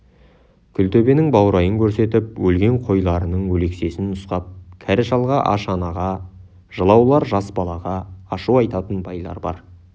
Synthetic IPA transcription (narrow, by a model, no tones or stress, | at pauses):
kʲʰʏlt̪ɵbe̞nɪŋbɑwɾɑjəŋkʲʰɵɾse̞t̪ɪp̚wɵlɡʲe̞ɴqʰo̞jlˠɑɾənəɴwɵle̞kse̞sɪnʊsqɑp̚kʲʰæɾɪʃɑlˠʁɑʔɑʃɑnɑʁɑ | ʒ̥əlˠɑwlˠɑɾʒɑsbɑlˠɑʁɑːʃuɑjt̪ɑt̪ənbɑjlˠɑ̰ɾbɑ̰ɾ